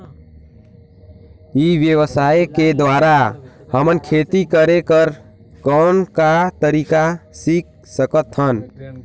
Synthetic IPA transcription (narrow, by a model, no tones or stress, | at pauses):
iʋjəwəsaeked̪waɾa | həmənkʰet̪ikəɾekəɾ | kɔnkat̪əɾikasik̚ | səkət̪hən